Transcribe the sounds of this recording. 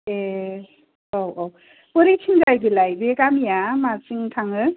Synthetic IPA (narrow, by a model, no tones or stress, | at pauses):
e | owʔow | pɯɾit͡ʃʰiŋd͡ʒajbilajbekamijamat͡ʃiŋtʰaŋɯ